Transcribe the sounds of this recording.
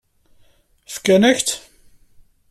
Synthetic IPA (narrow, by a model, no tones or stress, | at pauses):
fə̥kːænəçt̪